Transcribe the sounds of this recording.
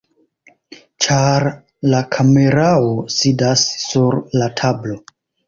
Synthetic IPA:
t͡ʃaɾ | lakʰame̞ɾaosidasːuɾlatʰablo̞

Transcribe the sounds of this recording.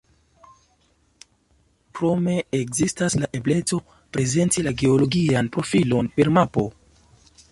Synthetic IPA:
pɾo̞me̞ekzistaslaʔe̞ble̞t͡so̞ | pɾe̞ze̞ntilaɡe̞olo̞ɡianpɾo̞filo̞npe̞ɾmapo̞

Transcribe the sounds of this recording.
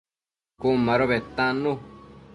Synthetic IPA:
kumãɾoβet̪ãnũ

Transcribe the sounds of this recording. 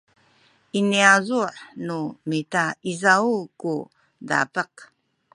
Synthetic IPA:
iniazuʕnumitaizauku | da̰pəq

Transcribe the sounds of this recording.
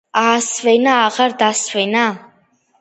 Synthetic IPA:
aːsvɛnaːʁaɾd̪asvɛna

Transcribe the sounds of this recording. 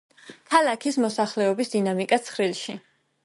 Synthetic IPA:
kʰalˠakʰismɔsaχlɛɔbisd̪inamikʼat̪sʰχɾilˠʃi

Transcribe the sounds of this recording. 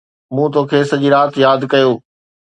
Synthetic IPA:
mũːt̪oːkʰeːsɐd͡ʑiːɾaːt̪jaːd̪kɐjoː

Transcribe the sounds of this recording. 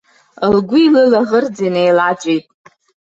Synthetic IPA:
lɡʷiːlɨlaʁərd͡zinejlad͡ʒʷʼejtʼ

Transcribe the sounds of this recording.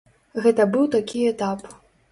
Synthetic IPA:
ɣɛt̪ɐbɨwt̪akʲiɛt̪ap

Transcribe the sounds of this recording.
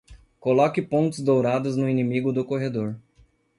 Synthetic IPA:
kolɔkɪpõt̪ɪzd̪owɾad̪ʊznʊinĩmiɡʊd̪ʊkoɦed̪oɾ

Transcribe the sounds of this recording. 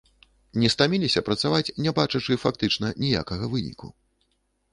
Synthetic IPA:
nʲɛst̪amʲilʲisʲɐpɾɐt̪savat͡sʲnʲɛbat͡ʂɐt͡ʂɨfakt̪ɨt͡ʂnɐnʲija̰kɐɣɐvɨnʲḭkṵ

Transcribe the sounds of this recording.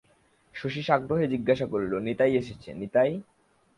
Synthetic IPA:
ʃoʃiʃaɡɾoɦed͡ʑiɡːaʃakoɾlonet̪ajeʃet͡ɕʰḛnet̪aj

